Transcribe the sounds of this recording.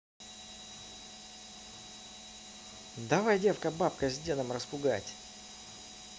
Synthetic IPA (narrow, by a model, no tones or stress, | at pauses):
d̪avajdʲe̞fkəbap̚kəzʲdʲe̞nəmrəspʊɡa̰tʲ